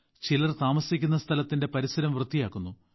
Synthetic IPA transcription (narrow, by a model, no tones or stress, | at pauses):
t͡ɕilɐrt̪aːmɐsikʲːunːɐst̪ʰɐlɐt̪ːinde̞pɐɾisɐɾɐmʋrɨd̪ːijaːkːunːu